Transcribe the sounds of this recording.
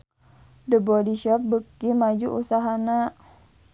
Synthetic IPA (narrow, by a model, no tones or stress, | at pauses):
dəbɔdiʃɔp̚bəkimad͡ʒuʔusaɦana